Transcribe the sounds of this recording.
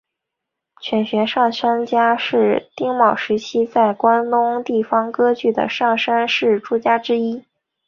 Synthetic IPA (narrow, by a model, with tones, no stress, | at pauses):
t͡ɕʰɥɛ˧˥nɕɥɛ˧˥ʂɑ˥˩ŋʂa˥nt͡ɕja˥ʂɻ̩˥˩t̪i˥ŋmɑ˨˩ʊʂɻ̩˧˥t͡ɕʰi˥t͡sa˥˩ɪkwa˥nt̪ʊ˥ŋt̪i˥˩fɑ˥ŋkɤ˥t͡ɕy˥˩d̪ə̰˩ʂɑ˥˩ŋʂa˥nʂɻ̩˥˩ʈ͡ʂu˥t͡ɕja˥ʈ͡ʂɻ̩˥i˥